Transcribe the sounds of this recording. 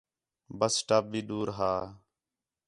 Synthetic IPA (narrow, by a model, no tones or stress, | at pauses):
bəsʈaːp̚biːɗuːɾɦaː